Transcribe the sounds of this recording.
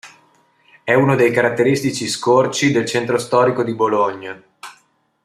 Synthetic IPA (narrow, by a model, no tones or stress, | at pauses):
ɛunod̪ejkaɾat̪ːeɾist̪it͡ʃiskort͡ʃid̪elt͡ʃent̪ɾost̪ɔːɾikod̪iboloɲːa